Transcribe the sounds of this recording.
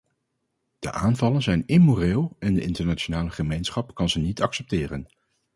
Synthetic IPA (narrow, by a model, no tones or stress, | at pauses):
d̥ə̰ʔaːnvɑlənzɛjnɪmoːreːlˠɛndəʔɪntəɹnat͡ʃonaːləχəmejnsχɑpkɑnzənitɑksɛp̚tɪːrən